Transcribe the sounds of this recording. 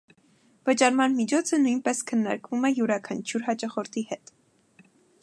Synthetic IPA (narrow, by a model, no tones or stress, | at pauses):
vət͡ʃɑɾmɑnmit͡ʃʰɔt͡sʰənujnpɛskʰənːɑ̰ɾkvumɛjuɾɑkʰɑnt͡ʃʰjuɾɦɑt͡ʃɑχɔɾt̪ʰihɛt̪